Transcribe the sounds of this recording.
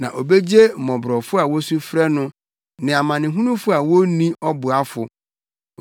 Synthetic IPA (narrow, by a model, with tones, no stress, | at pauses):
nã˨ʔo˨be˦d͡ʑe˦m̩˨mɔ̃˨bɾɔ˨fʊ˦a˨wɔ˦su˦fɾɛ˦nʊ̃˦ | nɪ̃˨a˨mã˨nɪ̃˨ɦũ˦nũ˦fʊ˦a˨wo˦nĩ˦ɔ˦bʊ˨a˦fʊ˨